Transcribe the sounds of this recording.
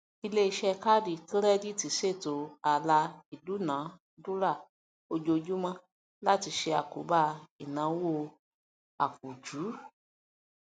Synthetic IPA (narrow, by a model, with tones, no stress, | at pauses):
i˧le˦i˧ʃɛ˦˧ka˦di˦˨kɾɛ˦di˦˨ti˨se˦˨to˨a˨la˧i˨du˨˦nã˨˦ | du˦ɾa˦˨ | o˧d͡ʒo˧d͡ʒu˦mã˧ | la˦ti˧ʃe˧a˨ko̰˨˦ba˦˨i˨nã˨˦wo˦˧˨ | a̰˨k̚u˨d͡ʒu˨˦